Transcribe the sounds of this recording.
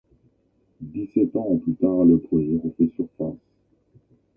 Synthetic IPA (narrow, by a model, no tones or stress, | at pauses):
d̪isɛt̪ɑ̃plyt̪aːʁləpχɔmɛʁɔ̃fɛsyʁfas